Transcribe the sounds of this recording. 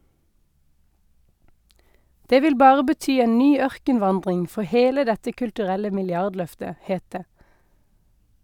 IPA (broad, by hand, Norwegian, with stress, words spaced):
ˈdeː ˈʋɪl ˈbɑːʁə bəˈtyː ˈeːn ˈnyː ˈœʁkənˌʋɑndʁɪŋ ˈfɔ ˈheːlə ˈdɛtə kʉltʉˈʁɛlə mɪlˈjɑʁdˌlœftə ˈheːt ˈdeː